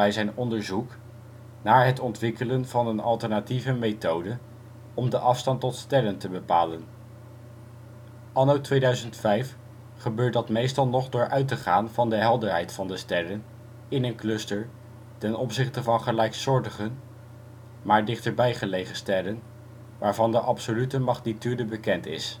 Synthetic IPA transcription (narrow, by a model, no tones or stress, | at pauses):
ɛjzɛjnɔndəɹzuk | naːɹɦətɔntʋɪkələnv̥ɑnənɑ̰lˠtəɹnativəmejtowdə | ɔmdəʔɑfstɑntɔtstɛɾəntəbəpaːlən | ʔɑnowtʋejdœɥzəntfɛjf | χəbøːɹt̚dɑtmejstɑlˠnɔχdʊːɹʔœɥtəχaːnvɑndəɦɛlˠdəɹɦɛjtfɑndəstɛrən | ɪnənklɵstəɹ | tɛnɔpsɪχtəvɑnχəlɛjksʊːɹdəχən | maːɹdɪχtəɹbɛjχəlejχənstɛɾən | ʋaːɹvɑndəʔɑpsolytəmɑχnityːdəbəkɛntɪ̰s